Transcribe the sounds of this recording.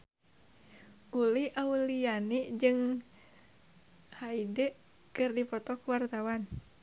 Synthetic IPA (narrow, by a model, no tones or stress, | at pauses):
ʔulihʔaulianid͡ʒɨŋ | haidɛ | kɨrdipɔt̪ɔkuwart̪awan